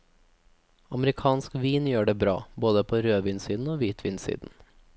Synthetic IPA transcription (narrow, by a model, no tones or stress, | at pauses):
ɑmɾɪkʰɑːnskʋiːnjøːɖeːbɾɑ̰ːboːd̪əpʰoːɾøːʋiːnsiːd̪n̩oːʋiːt̪ʰʋḭːnsḭːd̪n̩